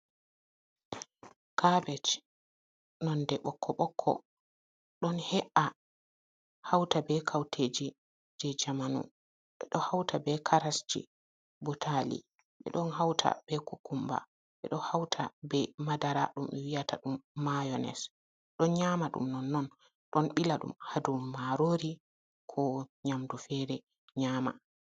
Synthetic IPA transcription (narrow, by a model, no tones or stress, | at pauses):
kʰabɛt͡ʃ | nɔndɛɓɔkʰːɔɓɔkʰːɔ̰ | ɗɔnhɛʔa | hawtabɛkʰawtʰed͡ʒi | d͡ʒɛd͡ʒamanṵ | ɓɛɗɔhawtʰabɛkʰaɾasd͡ʒḭ | bɔtʰalḭ | ɓɛ̰ɗɔnhawtʰa̰bɛkokumba̰ | ɓɛ̰ɗɔhawtʰa̰bɛmadaɾa̰ɗumɛwijatʰa̰ɗumːajɔnɛ̰s | ɗɔnɲamaɗṵmnɔnːɔn | ɗɔnɓilaɗṵmhadumːaɾoɾi | kʰɔɲamdufɛɾɛ | ɲaːma̰